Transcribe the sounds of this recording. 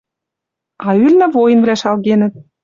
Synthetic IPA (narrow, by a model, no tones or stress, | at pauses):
ɑylnɘ̆vojə̆nvlæʃɑlɣenə̆t̪̚